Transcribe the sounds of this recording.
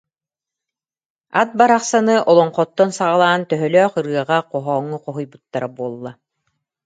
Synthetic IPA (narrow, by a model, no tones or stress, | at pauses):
at̪̚baɾaχsanɯʔɔlˠɔɴqɔt̪ːɔnsaʁalˠaːnt̪œɦœlœːχɯɾɯɐʁaqɔɦɔːŋːuqɔɦujbut̪ːaɾabuɔlˠːa